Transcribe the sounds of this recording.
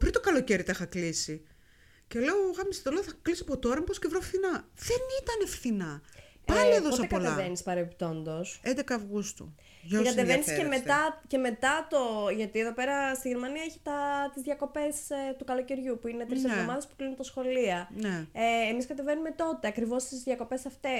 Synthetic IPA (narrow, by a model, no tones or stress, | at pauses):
pɾit̪okɐloceɾit̪ɐxɐklisi | celeoɣɐmist̪oloθɐklisiɐpot̪oɾɐmposcevɾofθinɐðenit̪ɐnefθinɐ | ɐmeðoosɐepɐoleɐvenispɐɾept̪o̞nd̪o̞send̪ekɐːvɣust̪ṵ | ʝɐokɐt̪evenisemet̪ɐce̞me̞t̪ɐt̪o̞ʝɐt̪ieðo̞pe̞ɾɐst̪iʝeɾmɐniɐeçi̥t̪ɐt̪izðʝɐko̞pe̞st̪ukɐlo̞ceɾʝupuinet̪ɾisezðomɐðespu̥klinunt̪ɐsxo̞liɐneeːmiskɐt̪e̞ve̞nume̞t̪o̞t̪e̞ɐkɾivo̞st̪izðʝɐko̞pe̞sɐft̪e̞